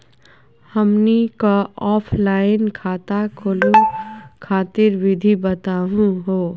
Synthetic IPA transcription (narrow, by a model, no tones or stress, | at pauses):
həmnikaɔːpʰlaːɪnkʰaːt̪akʰoːlukʰaːt̪iɾʋɪd̪ʱibət̪aːɦũɦoː